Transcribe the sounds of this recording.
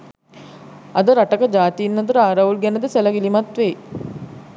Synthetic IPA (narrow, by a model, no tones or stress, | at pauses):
ɐd̪əɾaʈəkəd͡ʒaːt̪iinːɐt̪uɾəaːɾaʋulɡɛnəd̪əsæləɡilimat̪ʋeː